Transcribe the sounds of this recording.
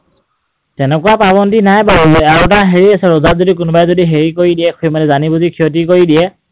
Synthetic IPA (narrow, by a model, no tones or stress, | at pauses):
tɛnɛkʊwapabɔntinajbaɹuzɔaɹutaɦeɹiasɛɹɔzatzodik̬ʊnbajɛzodiɦeɹikoɹidijɛkʰojmanɛzanibɔzikʰiot̬ikoɹidijɛ